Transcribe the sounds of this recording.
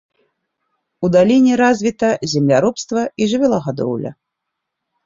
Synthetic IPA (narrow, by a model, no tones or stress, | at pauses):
ud̪alʲinʲɛɾazʲvʲit̪ɐzʲɛmlʲaɾɔpst̪vɐiʐɨvʲɛlˠɐɣad̪ɔ̰wlʲɐ̰